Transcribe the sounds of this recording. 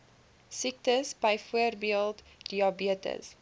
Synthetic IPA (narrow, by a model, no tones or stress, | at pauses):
sik̚təsbəjfuərbiəlˠtd̥iɑbiətə̰s